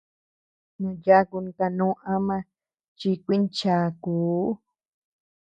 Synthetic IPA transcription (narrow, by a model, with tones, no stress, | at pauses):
mã˧ja˦˧ku˧nĩ˧ka˧nũ˦ʔã˦mã˧ | t͡ʃi˧kʷi˦nt͡ʃa˧˨kuː˨˦